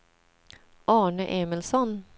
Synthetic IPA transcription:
ʔɑːɳəʔeːmɪlsɔn

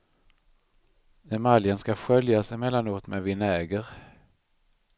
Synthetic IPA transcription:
ɛmaljənskaɧœljasɪmɛlːanuːt̪mɛvɪnɛːɡəɾ

